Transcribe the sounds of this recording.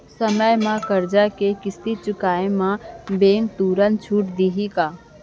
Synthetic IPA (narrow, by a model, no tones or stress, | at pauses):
səməjmãkəɾd͡ʒakekɪst̪it͡ʃʊkaːemãbeːŋɡt̪uːɾənt͡ʃʰuːʈd̪iɦikaː